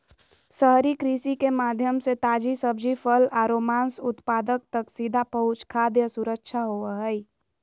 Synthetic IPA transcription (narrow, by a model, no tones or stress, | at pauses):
səɦɾikɾisikemaːd̪ʱjəmset̪aːd͡ʒisəbd͡ʒipʰəlaɾoːmaːnsʊt̪paːd̪ək̚t̪əksid̪ʱapəɦʊt͡ʃkʰad̪jəsuɾəkʃʰaɦoəɦəi